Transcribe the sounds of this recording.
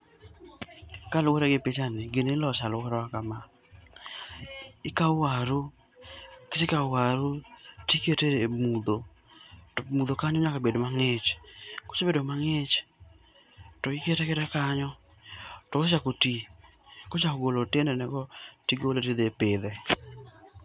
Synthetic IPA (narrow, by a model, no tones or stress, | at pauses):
kalwoɾɛɡɪpet͡ʃanɪɡenelɔt͡ʃalwɔɾɔakama | ɪkawaɾu | kɪsɪkawaɾutiketemud̪o | mud̪okaɲɔɲakabedomaŋɪt͡ʃko̥t͡ʃebedomaŋet͡ʃ | tɔɪketɛkɛtɛkaɲɔ | tɔkot͡ʃakoti | kot͡ʃakoɡolotendɛnɛɡɔtiɡoletid̪epɪd̪ɛ